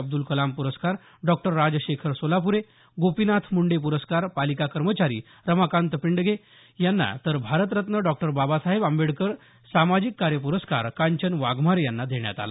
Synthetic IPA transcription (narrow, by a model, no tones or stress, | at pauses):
əb̚d̪ulkəlampuɾəskaɾ | ɖɔk̚ʈəɾːad͡ʑɕekʰəɾsolapuɾe | ɡopinat̪ʰmuɳɖepuɾəskaɾpalikakəɾmət͡ɕaɾḭː | ɾəmakant̪əpiɳɖɡʱe | janːa̰t̪əɾbʱaɾət̪̬ɾət̪nəɖɔk̚ʈəɾbabasaɦebamʋeɽkəɾ | samad͡ʑikːaɾjəp̬uɾəska̰ɾkaɲt͡ɕənʋaɡmaɾjanːad̪ʱeɳja̰t̪a̰la̰